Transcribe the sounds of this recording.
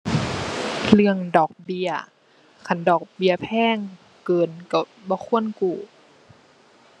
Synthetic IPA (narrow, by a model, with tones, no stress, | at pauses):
lɯ˧əŋdɔː˨˩k̚bi˧ə | kʰa˧˩ndɔː˨˩k̚bi˧˩əpʰɛː˧˥˨ŋ | kɤː˨˩nka˧˩ | bɔː˧˦kʰu˧˥˨ənkuː˨˩